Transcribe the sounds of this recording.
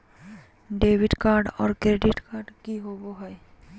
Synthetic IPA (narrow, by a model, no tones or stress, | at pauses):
ɖeːʋɪɖkaːɾɖɔːɾkɾeːɖɪʈkaːɾɖkiɦoːboɦɛ